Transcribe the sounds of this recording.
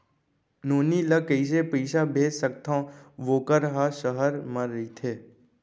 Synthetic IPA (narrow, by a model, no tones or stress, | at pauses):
noːnilɐkəɪs̬epəɪʃabʱeːd͡ʒsək̚t̪ʰãːʋoːkəɾɦaʃəɦəɾmɐɾit̪ʰeː